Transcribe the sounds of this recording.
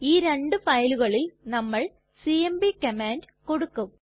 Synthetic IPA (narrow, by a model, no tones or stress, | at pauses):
iːɾe̞ɳɖɨfɐjluɣɐɭilnɐmːɐɭ | siembikɐmaːnd | ko̞ɽukːum